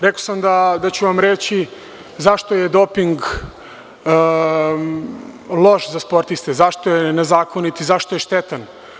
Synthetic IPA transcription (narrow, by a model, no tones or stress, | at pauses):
ɾekosamd̪ad̪at͡ɕuʋamɾet͡ɕi | zaʃt̪ojed̪opiŋɡ | lˠo̞ʃzaspo̞ɾt̪ist̪ezaʃt̪ojenezaːko̞nit̪izaʃt̪oje̞ʃt̪et̪an